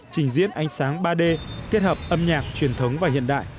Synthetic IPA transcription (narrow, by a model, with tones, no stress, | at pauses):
t͡ɕï˨˩ŋ̟zḭ˧˥ənʔa˨˦jŋ̟saː˨˦ŋɓaː˧ɗe˧ke˦˥t̚həː˨˩p̚ʔə˧mɲaː˨˩k̚t͡ɕwi˨˩ənt̪ʰə˨˦wŋ͡mvaː˨˩ɦḭ˧˨ənɗa̰ː˧˨j